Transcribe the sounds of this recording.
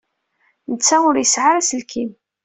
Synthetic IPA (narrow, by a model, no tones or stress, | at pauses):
nət͡sːæʊɾjəsʕaɾæsəlkʰim